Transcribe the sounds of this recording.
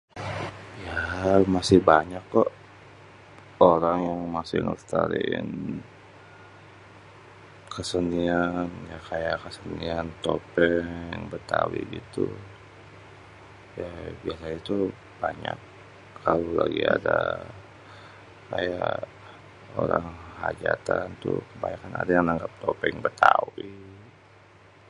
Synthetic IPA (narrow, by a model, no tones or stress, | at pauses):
jamasɪhbaɲakːɔʔ | oɾaŋjaŋmasɪŋə̰st̪aɾin | kəsəndianjakajaʔkəsəndiant̪opɛŋbət̪awḭɡit̪u | jabiasait̪u | b̥aɲakʰː | alolaɡiada | kajaʔ | oɾaŋhad͡ʒat̪ant̪ukəbajakanadajaŋnaŋɡap̚t̪opɛŋbət̪awi